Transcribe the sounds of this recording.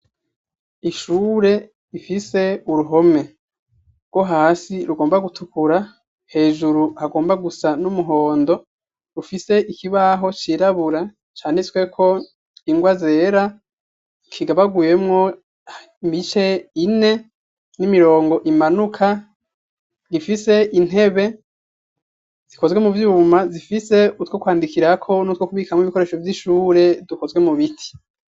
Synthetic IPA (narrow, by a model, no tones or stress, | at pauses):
iʃuːɾe̞ | ifise̞uɾuɦo̞me̞ | ɡwo̞ɦaːsiɾuɡo̞ːmbaɡutukuɾa | he̞ːʒuɾuhaɡo̞ːmbaɡusanumuɦo̞ːndo̞ | ɾufise̞ʔikiβaɦo̞t͡ʃiːɾaβuɾa | t͡ʃaːneswe̞kʰo̞ | iŋɡwazeɾa | kʰiɡaβaɡuje̞mŋo̞ | imit͡ʃe̞ine̞ | nimiɾo̞ːŋɡo̞ʔimanukʰa | ɡifise̞ʔin̥e̞βe̞ | z̥iko̞zɡwe̞muvjuːmazifise̞utwokwaːndikiɾakʰo̞nut̪wokuβiːkamŋiβikoɾe̞ːʃo̞vjiʃuːɾe̞duko̞zɡwe̞muβitʰi̥